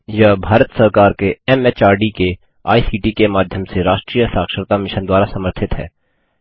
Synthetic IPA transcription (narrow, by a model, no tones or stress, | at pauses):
jɐbʱaːɾət̪səɾkaːɾkeɛmɛt͡ʃaːɾɖike | a̰ːisiːʈikemaːd̪ʱjəmseɾaːʃʈɾiːjəsaːkʃəɾt̪amɪʃənd̪waːɾasɐməɾt̪ʰɪt̪ɦɛ̰ː